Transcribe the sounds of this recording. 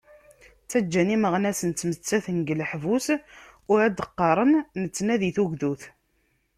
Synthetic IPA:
t͡sːæd͡ʒːæniməʁnæsənt͡s̪ːmət͡sːæθənɡələħvusʊɾæd̪əqːɑɾˤənːət͡sːnæðiθuʝðuθ

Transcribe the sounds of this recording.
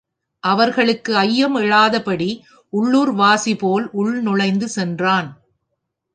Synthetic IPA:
ʔɐʋɐɾɣɐɭɯkːɯɐjːɐmɛɻaːðɐpɐɽi | ʔʊɭːuːɾʋaːsipoːlʔʊɭnʊɻɐɪnd̪ɯsɛndraːn

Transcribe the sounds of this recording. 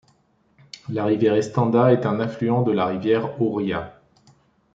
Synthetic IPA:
laʁivjɛʁɛst̪ɑ̃d̪aɛt̪ɛ̃nɛ̃flyɑ̃d̪əlaʁivjɛʁuʁja

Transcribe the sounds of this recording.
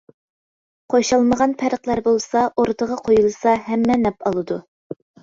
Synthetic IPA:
qʰojʃɑlˠməʁɑnpʰæɾəqlˠæɾbolˠsɑʔoɾd̪əʁɑqʰojulˠɨsɑɦɛmːɛnɛpɑlˠɨd̪u

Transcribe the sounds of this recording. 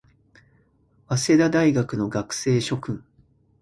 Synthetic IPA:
βase̞d̪ad̪aiɡakɯ̟no̞ɡakɯ̟̥se̞ːɕo̞kɯ̟̃ŋ

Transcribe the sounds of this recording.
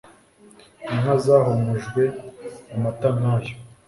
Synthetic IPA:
inazaːɦomuʒɡwe̞amatanajo

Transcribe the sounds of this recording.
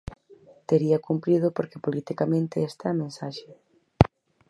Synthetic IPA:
t̪eɾiɐkumpɾið̞ʊpoɾkepolit̪ikamẽnt̪ɪest̪amẽnsaʃe

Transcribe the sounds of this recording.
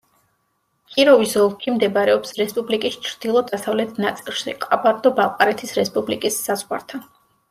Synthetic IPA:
kʰʼiɾɔvisɔlˠkʰimd̪ɛbaɾɛɔpsɾɛspʼublikʼist͡ʃʰɾd̪̥ilˠɔd̪asavlɛt̪ʰnat̪sʼilˠʃḭqʼabaɾd̪ɔbalˠqʼaɾɛt̪ʰisɾɛspʼublikʼisːazʁwa̰ɾt̪ʰa

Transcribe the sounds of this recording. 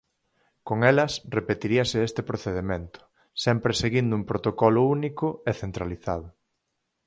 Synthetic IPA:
koŋelɐsrepet̪iɾiɐseest̪epɾoθeðemẽnt̪ʊ̥ | sɛmpɾeseɣind̪ʊuŋpɾot̪okɔlʊunikʊeθent̪ɾaliθað̞ʊ

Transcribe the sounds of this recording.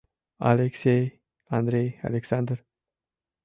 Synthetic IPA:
a̰leksej | and̪ɾeja̰leksand̪ɾ

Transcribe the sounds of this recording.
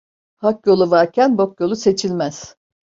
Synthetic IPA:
hakjo̞lˠuvaɾcʰænbo̞kjo̞lˠuse̞t͡ʃʰilʲmæz̥

